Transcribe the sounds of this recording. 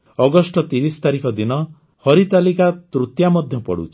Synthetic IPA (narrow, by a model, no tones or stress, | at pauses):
ɔɡɔsʈɔt̪iɾist̪aɾikʰɔd̪inɔ | hɔɾit̪alikat̪ɾut̪jamɔd̪ʱjɔpɔ̰ɽṵt͡ʃʰi̥